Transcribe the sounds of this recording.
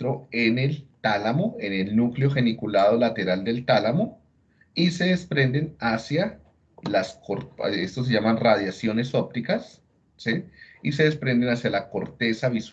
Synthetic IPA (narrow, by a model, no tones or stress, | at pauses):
ɾo̞e̞ne̞lt̪alamoenelnukleo̞xe̞nikulað̞o̞lat̪e̞ɾald̪e̞lt̪alamo | ise̞ðe̞spɾe̞nd̪e̞nasja | laskoɾest̪o̞s̬e̞ʝamanrað̞jasjo̞ne̞so̞p̚t̪ikas | siis̬e̞ðe̞spɾe̞nd̪e̞nasjalako̞ɾt̪e̞saβis